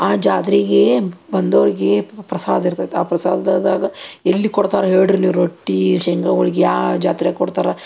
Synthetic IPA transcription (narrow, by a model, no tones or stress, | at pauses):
aːd͡ʒaːt̪ɾiɡebɐnd̪ɐʋɐɾiɡepɾɐsaːd̪ɐiɾt̪aːt̪aːpɾɐsaːd̪ɐd̪d̪aːɡɐelːikɔɽt̪aːɾɐɦeːɽɾniʋɾoʈːiʃɛŋkɐoɭiɡejaːd͡ʒaːt̪ɾijkɔɽt̪aːɾɐ